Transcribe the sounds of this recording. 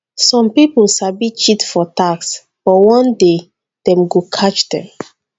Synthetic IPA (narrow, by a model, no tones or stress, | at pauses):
sɔ̃mpiplsabit͡ʃitfɔtaks | b̥ɔwɔ̃nde | d̥ɛ̃mɡokʰat͡ʃdɛ̰̃m